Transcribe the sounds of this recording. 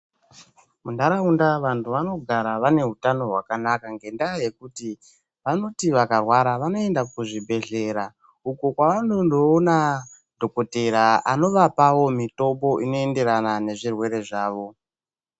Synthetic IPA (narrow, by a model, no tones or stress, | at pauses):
mundaɾaundaʋantʰuʋano̞ɡʱaɾaʋane̞ɦutano̞ɦwakanakaŋɡe̞ndaːje̞kuti | ʋano̞tiʋakarwaɾaʋano̞e̞ndakuʐibʱe̞ɮe̞ɾa | ukukwaʋanondoːna | dʱo̞ko̞te̞ɾaano̞ʋapawo̞mito̞mbo̞ʔino̞e̞nde̞ɾanane̞ʐirwe̞ɾe̞ʐaːʋo̞